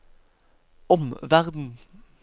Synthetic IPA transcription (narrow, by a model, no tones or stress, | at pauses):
ɔmʋæʁd̪n̩